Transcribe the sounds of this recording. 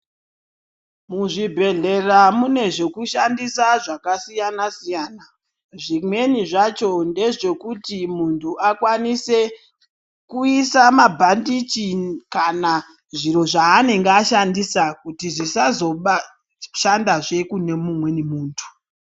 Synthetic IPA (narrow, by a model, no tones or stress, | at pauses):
muʐibʱe̞ɮe̞ramune̞ʐe̞kuʃandisaʐakasijanasijaːna | ʐimwe̞niʐat͡ʃo̞nde̞ʐe̞kutimuntʰuʔakwanise | kuisamabʱandit͡ʃinkana | ʐiɾo̞ʐaːne̞ŋɡeaʃandisakutiʐisazo̞ɓa | ʃandaʐe̞kune̞mumwe̞nimuːntʰu̥